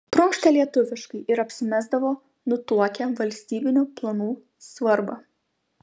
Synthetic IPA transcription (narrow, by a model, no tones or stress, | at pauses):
t̪ɾʊŋkʃʲt̪ʲɛlʲiɛt̪ʊʋʲɪʃkɐɪʔɪɾɐpʲsʲɪmʲæːzd̪ɐʋoː | nʊt̪uɔkʲɛʋɐlʲsʲt̪ʲiːbʲɪnʲʊplˠɐnuː | sʋɐɾbɐ